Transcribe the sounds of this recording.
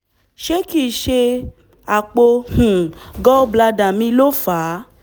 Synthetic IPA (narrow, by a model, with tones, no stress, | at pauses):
ʃe˦ki˦˨ʃe˧ | a˨k͡po˧hũ˨ɡɔ˦bla˧da˨mĩ˧˦lo˦faː˨˦